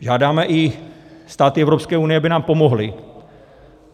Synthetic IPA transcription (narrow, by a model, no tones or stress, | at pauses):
ʒaːdaːmɛʔɪst̪aːt̪ɪɛvɾopskɛːunɪjɛabɪnaːmpo̞moɦlɪ